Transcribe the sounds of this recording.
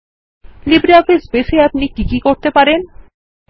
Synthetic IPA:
libɾiɔfisbeseapnikikikoɾt̪epaɾen

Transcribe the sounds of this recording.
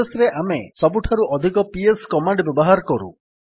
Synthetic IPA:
esɾeʔamesɔbuʈʰaɾuʔɔd̪ʱikɔpieskɔmaɳɖbɔbɔɦaɾɔkɔɾṵ

